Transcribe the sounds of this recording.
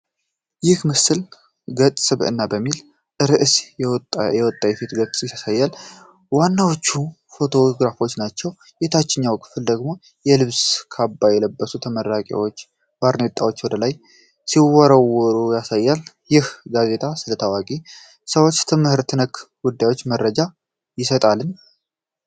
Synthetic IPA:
jɪhmɨsɨl | ɡət̪ʼsʼɨβɨ̰nːabəmːil | ʔɨɾɨʔs | jɛwɔt̪ʼːajɛfit̪ɡətsʼɨjasajːal | wanːawot͡ʃːu | fo̞t̪ʰo̞ɡɾafo̞t͡ʃːnat͡ʃːɛw | jɛt̪ʰat͡ʃːɪɲːawkʰɨ̥fɨld̪əɡmo̞ | jɛlɨβskʰabːajɛləbːəsut̪ʰəməɾːakʼa̰wot͡ʃː | baɾnet̪ʼːawo̞t͡ʃːwɔd̪əlaj | siwɔɾəwːɔɾujasajːal | jɪhɡaze̞t̪ʰʼasɨlət̪ʰəwakʼi | səwo̞t͡ʃːt̪ʰɨmɨhɨɾt̪ʰɨnəkɡud̪ːajwo̞t͡ʃːməɾːəd͡ʒa | jɪsət̪ʼalɨn

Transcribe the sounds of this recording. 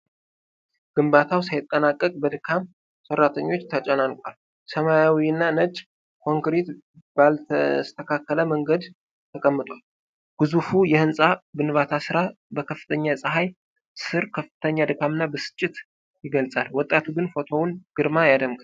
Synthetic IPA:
ɡ̥ɨmbat̪ʰawsajɪt̪ʼːənakʼːəkʼbəd̪ɨkʰam | sərːat̪ʰəɲːo̞t͡ʃːt̪ʰət͡ʃʼɛnalkʼal | səmajawiɨnːanət͡ʃʼ | kʰo̞ŋkɾet̪ | balst̪ʰəkʰakːələməŋɡəd̪ | t̪ʰəkʼəmːɨt̪ʼwal | ɡ̥ɨzufujɛhɨnsʼabɨnɨβat̪ʰasɨɾa | bəkʰəfːɨ̥t̪ʰəɲːasʼɨɦaj | sɨɾkʰəfɨ̥t̪ʰəɲːad̪ɨkʰamɨnːabəsɨ̥t͡ʃʼːɪt̪ | jɪɡəlsʼalwɔt̪ʼːat̪ʰuɡɨnfo̞t̪ʰo̞wnɡ̥ɨɾmajad̪əmɡ

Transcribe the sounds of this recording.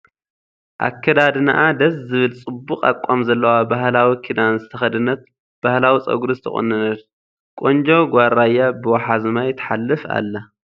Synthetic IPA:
ʔa̰kʰːɐd̪ad̪na̰ʔad̪ɐszɨβɨlt͡sʼɨbːukʼa̰kʷʼːamzɐlːɐwabahlawikʰid̪anzɨt̪ʰɐxɐd̪ɨnːɐt̪̚ | b̥ahlawit͡sʼɐ̰ɡuɾuzt̪ʰɐ̰χʼɨ̰nːɨnɐd̪ | kʼond͡ʒoɡʷaɾajːabɨwaħazɨmajt̪ʰɐ̥ħalːɨfa̰lːɐ

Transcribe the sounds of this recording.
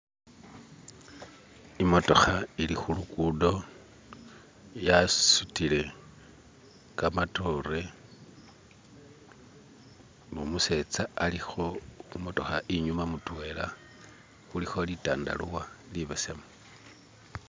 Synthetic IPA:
imo̞to̞xailixulukudo̞ | jasutile̞ | kamato̞re̞ | mumuse̞t͡saalixo̞umo̞to̞xaʔiɲumamutwe̞la̰ | xulixo̞litaːnda̰luwaliβesemo

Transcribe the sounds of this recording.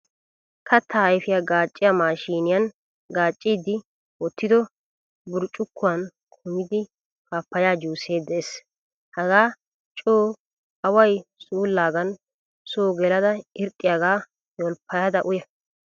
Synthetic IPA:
kʰɐt̪ːɐɐjfɪjaɡaːt͡ʃʼːɪjɐmaːʃiːnɪjɐn | ɡaːt͡ʃʼːiːd̪ɪ | wɔt̪ːɪd̪ɔ | bʊɾt͡ʃʼʊkʰːʊwɐn | kʰʊmɪd̪ɪ | kaːpːɐjaːd͡ʒuːse̞ːd̪ːɛes | hɐɡaː | t͡ʃʼoː | ɐwɐjsuːlːaːɡɐn | soːɡɛlɐd̪ɐɪɾt̪ʼːɪjaɡaː | jɔlpːɐjɐd̪ɐʔʊjɐ

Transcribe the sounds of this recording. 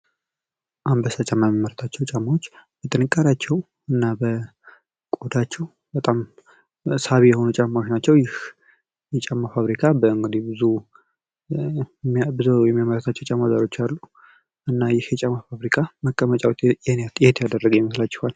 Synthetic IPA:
ʔambəsat͡ʃʼaməmməɾət̪ʰat͡ʃːɛwt͡ʃʼamːawot͡ʃːbət̪ʰʼɨnɨkʼːaɾat͡ʃːɛw | ɨnːabə | kʼod̪at͡ʃːɛw | bət̪ʼam | saβijɛho̞nut͡ʃʼamːawot͡ʃnat͡ʃːɛwjɪh | jɛt͡ʃʼamːafaβɾikʰabəɨŋɡɨd̪ihbɨzu | bɨzujɛmːjaməɾət̪ʰat͡ʃːɛwt͡ʃʼamːazaɾo̞t͡ʃːalːu | ʔɨnːajɪhjɛt͡ʃʼamːafaβɾikʰaməkʼːəmət͡ʃʼawt̪jɛnejat̪jɛt̪ʰjad̪ərːəɡwjɛməslat͡ʃːɛ̥hal

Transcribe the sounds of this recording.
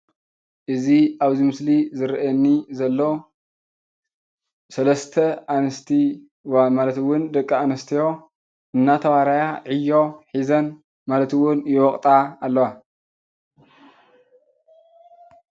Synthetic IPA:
ʔɨziaβzimɨslizɨɾʔɐnːizɐlːo | sɐlɐst̪ʰɐanɐst̪ʰi | wamalɐt̪wːʊnd̪ɐkʼːaanɐst̪ʰijo̞ | ɨnːat̪ʰɐwaɾajaʕijːo̞ħizɐn | malɐt̪ɨwʊnjwɔkʼt̪ʼaːlːɐwa

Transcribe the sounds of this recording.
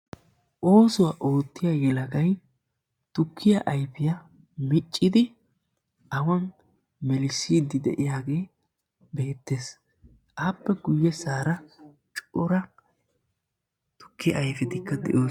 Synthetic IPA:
ʔo̞ːsɔwaʔo̞ːt̪ːɪjajɛlɐɡɐj | t̪ʊkʰːɪjɐʔɐjfɪjɐ | mɪt͡ʃʼːɪd̪ɪ | ɐwɐn | mɛlɪsiːd̪ɪd̪ɛ̰ʔɪjaːɡe̞ː | be̞ːt̪ːe̞ːs | ʔaːpːɛɡʊjːɛsaːɾɐ | t͡ʃʼɔɾɐ | t̪ʊ̥kːɪjɐ̰ʔːjfɪt̪ɪkːɐd̪ɛ̰ʔo̞ː

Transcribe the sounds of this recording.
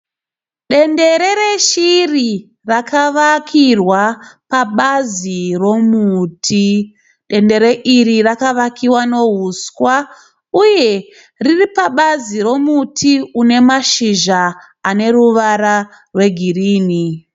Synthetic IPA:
ɗe̞nde̞ɾe̞ɾeʃiri | rakaʋakʰirwapaɓaziro̞muːtʰi | ɗe̞nde̞ɾeʔirirakaʋakiwano̞ɦuskwa | uje̞ | riripaɓaziro̞mutʰiune̞maʃiʒaː | ne̞ruʋaɾa | rwe̞ɡʱiriːni

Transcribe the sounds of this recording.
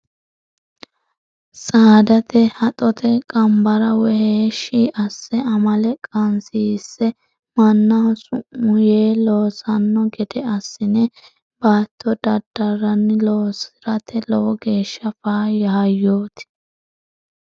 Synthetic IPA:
saːd̪ɐt̪ɛhɐt̪ʼɔt̪ʰɛkʼɐmbɐɾɐwɛheːʃiːʔɐsːɛɐmɐlɛkʼɐnsiːsːɛ | mɐnːɐsʊʔʊjeːlo̞ːsɐnːɔɡɛd̪ɛɐsːɪnɛ | baːt̪ʰːɔd̪ɐd̪ɐrːɐnːɪloːsɪɾɐt̪ʰɛlɔwɔɡe̞ːʃːɐfaːjɐhɐjːoːt̪ɪ̥

